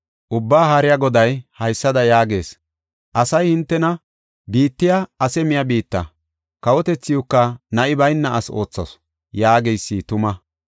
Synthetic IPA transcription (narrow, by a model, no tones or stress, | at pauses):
ʔʊbːaːɦaɾɪjɐɡɔd̪ɐjhɐjsːɐd̪ɐjaːɡe̞ːs | ʔɐsɐjhɪnt̪ːɛnɐ | biːt̪ːɪjaɐsɛmɪjɐbiːt̪ːɐ̰ | kɐwɔt̪ɛt͡sːɪjukːɐnɐʔɪbɐjnːɐʔɐso̞̰ːt͡sːɐ̰s | jaːɡɛjsːit̪ʊmɐ